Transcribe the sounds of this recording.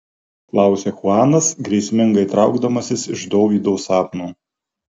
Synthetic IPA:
klˠɑˑʊsʲexʊɑːnɐsɡɾʲɛɪsʲmʲɪŋɡɐɪt̪ɾɑʊɡd̪ɐmɐsʲɪsɪʒd̪oːʋʲiːd̪ɔʊsɑːp̪nuː

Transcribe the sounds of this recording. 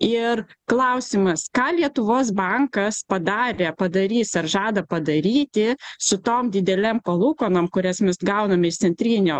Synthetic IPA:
ɪrklˠɐʊsʲɪmɐskɑːlʲiɛt̪ʊʋoːs̬bɑŋkɐspɐd̪ɑːɾʲeːpɐd̪ɐɾʲiːsɐɾʒɑːd̪ɐpɐd̪ɐɾʲiːt̪ʲɪsʊt̪oːmd̪ʲɪd̪ʲɛlʲɛmpɐlˠuːkoːnoːmkʊɾʲɛsmʲɛsɡɐʊnɐmʲɪɪʃt̪sʲɛnʲt̪ʲɾʲiːnʲoː

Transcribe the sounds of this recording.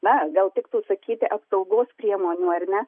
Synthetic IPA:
nɐɡɐlˠt̪ʲɪkt̪uːsɐkʲiːt̪ʲɪʔɐpsɐʊɡoːspʲɾʲiɛmoːnʲuːɐrʲnʲɛ

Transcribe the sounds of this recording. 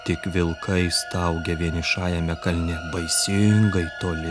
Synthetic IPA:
t̪ʲɪkʋʲɪlˠkʰɐɪst̪ɐʊɡʲɛʋʲiɛnʲɪʃɑːjɛmʲɛkɐlʲnʲɛbɐɪsʲɪŋɡɐɪt̪oːlʲɪ

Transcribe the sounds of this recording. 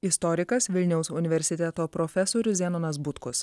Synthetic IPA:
ɪst̪ɔɾʲɪkɐsʋʲɪlʲnʲɛʊsʊnʲɪʋʲɛɾʲsʲɪt̪ʲɛt̪oːpɾoːfʲɛsoːɾʲʊzʲɛnoːnɐs̬bʊt̪kʊs

